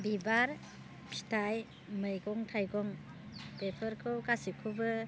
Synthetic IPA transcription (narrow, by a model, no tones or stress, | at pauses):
bibaɾ | pʰi̥tʰaj | mɯjɡɔŋtʰajɡɔŋ | pepʰɯɾkʰɯwkasikʰɯbɯ